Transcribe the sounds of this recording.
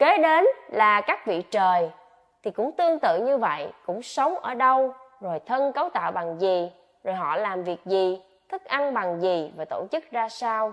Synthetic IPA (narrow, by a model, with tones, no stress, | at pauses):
ke˨˦ɗe˨˦nlaː˨˩kaː˦˥k̚vḭ˧˨t͡ɕəː˨˩j | t̪ʰi˨˩kʊ̰˧˥ŋ͡mt̪ɨ˧əŋt̪ɨ̰˧˨ɲɨ˧və̰˧˨jkʊ̰˧˥ŋ͡msə˨˦wŋ͡mʔəː˧˩ɗə˧wzo˨˩jt̪ʰə˧nkə˨˦wt̪a̰ː˧˨wɓa˨˩ŋzi˨˩ | zo˨˩jɦɔ̰˧˨laː˨˩mvi˨˩ək̚zi˨˩ | t̪ʰɨ˦˥k̚ʔa˧nɓa˨˩ŋzi˨˩vaː˨˩t̪o˧˩t͡ɕɨ˦˥k̚zaː˧saː˧w